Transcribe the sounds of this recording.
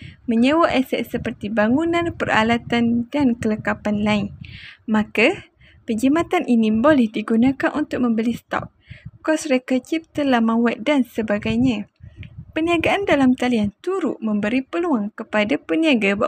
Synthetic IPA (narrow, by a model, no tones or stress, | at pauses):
mə̃ɲəwaʔɛsɛ̰ʔsəpərt̪ibaŋunãnpəra̰lat̪andankələkapanlainmãka | pəd͡ʒimãt̪anʔinĩbolɛhdiɡunãkanʔunt̪ʊk̚mə̃mbəlisə̥t̪ɔ̰p̚kɔsrekət͡ʃip̚t̪əlahmãwat̪̚dansəbaɡajɲã | pəniaɡaʔandalamt̪aliant̪uɾʊʔmə̃mbəɾipəluaŋkəpadapəniaɡaba